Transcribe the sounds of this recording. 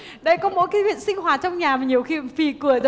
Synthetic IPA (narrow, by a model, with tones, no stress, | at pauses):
ɗə˧jkɔ˨˦mo̰˧˥jkaː˨˦jhwḭ˧˨nsï˧ŋ̟hwaː˨˩t͡ɕɔ˧wŋ͡mɲaː˨˩maː˨˩ɲi˨˩əwxi˧˨mfi˨˩kɨ˨˩əz